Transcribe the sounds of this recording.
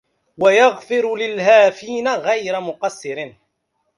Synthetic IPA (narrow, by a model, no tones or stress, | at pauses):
wajaɣfɪɾlɪlhaːfiːnaɣajɾamʊqɑsːɪɾɪ